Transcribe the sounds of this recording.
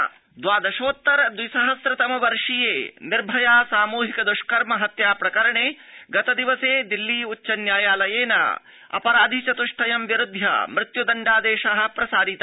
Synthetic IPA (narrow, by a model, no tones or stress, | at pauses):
d̪ʋaːd̪ɐʃoːt̪ːɐɾɐd̪ʋisɐɦɐsɾɐt̪ɐmɐʋɐɾʂijeːnɪɾbʱɐjaːsaːmuːɦikɐd̪uʂkɐɾmɐɦɐt̪jaːpɾɐkɐɾɐɳeː | ɡɐt̪ɐd̪iʋɐseːd̪ilːiːut͡ʃːʃːɐnjaːjaːlɐjeːnɐ̰ | ɐ̰pɐɾaːd̪ʱit͡ʃɐt̪uʂʈʰɐjɐmʋjɐɾud̪ʱjɐ̰mɾɪt̪jud̪ɐɳɖaːd̪eːʃɐɦɐ̆pɾɐsaːɾit̪ː